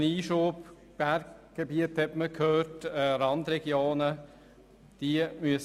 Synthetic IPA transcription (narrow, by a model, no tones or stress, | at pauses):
niːʃuːp | b̥æɾkɡ̥ebiəthɛtməkʰhøːtɛɾɑnd̪ɾɛɡ̥joːnə | d̥imyəs